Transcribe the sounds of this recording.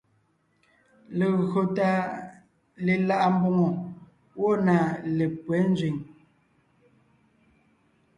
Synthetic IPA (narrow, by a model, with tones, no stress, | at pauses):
le˨ɣɰo˨ta˦ | le˨la˦ʔa˦˨m˦bɔ˦ŋɔ˨ | wɔ˦na˨le˨pwɛ˨˦n˦zɥi˨ŋ